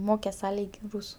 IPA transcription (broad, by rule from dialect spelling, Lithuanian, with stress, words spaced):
ˈmoːkʲɛs ˈɐ ˈlʲiːkʲ ˈruːsʊ